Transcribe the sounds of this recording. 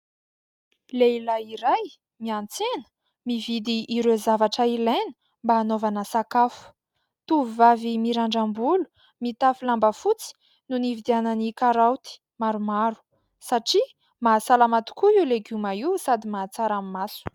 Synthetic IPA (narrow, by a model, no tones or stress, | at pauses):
leilaiɾaj | miant͡senə̥ | mivid̪iʔːɾezavaʈ͡ʂəilenə̥ | mbaːnovanəsakafu̥ | t̪uvivavimiɾaɳɖ͡ʐambulu̥ | mit̪afilambəfut͡si̥ | nunivid̪ianənikaɾawt̪i̥ | maɾumaɾu̥ | saʈ͡ʂi | maːsalamat̪u̥kuileɡumaiwsad̪imaːt͡saɾamimasu̥